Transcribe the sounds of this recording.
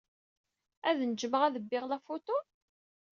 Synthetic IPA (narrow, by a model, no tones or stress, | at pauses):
æðnd͡ʒməʁæðəbːɪʁlæfot̪ʊ